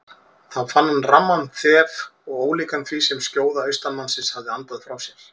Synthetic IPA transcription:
θaðfanːanramːanθɛːvɔɣoːwliːkanθʰvisɛmscjoːwðaœɥst̪anmansɪshavðɪant̪aðfɾawsjɛɾ̥

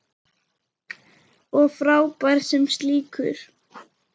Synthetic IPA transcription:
ɔɣfɾaːwpajɾ̥sɛmst̪liːkʏɾ̥

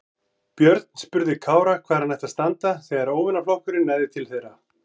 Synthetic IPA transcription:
pjœɾt̪n̥spʏɾðɪkʰaːwɾakʰvaːɾanɛjht̪ast̪ant̪aθɛɣaɾoːwvɪnaflowhkʏɾɪnːajðɪt̪ʰɪlθejɾa

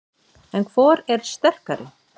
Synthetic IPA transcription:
ɛnkʰvɔːɾɛɾ̥st̪ɛr̥kaɾɪ̰

